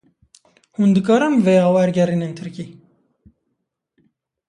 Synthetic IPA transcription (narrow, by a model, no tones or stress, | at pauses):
hund̪ɨkʼɑɾɐmvɛjɑwɛɾɡɛɾinɛnt̪ʰəɾkʲi